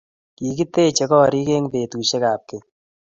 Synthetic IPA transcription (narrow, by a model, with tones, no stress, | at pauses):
ki˨ki˦te˦t͡ʃe˧kɔ˦ɾi˦ke˦ŋpe˨tu˨ʃe˦kaː˨p̚ke˨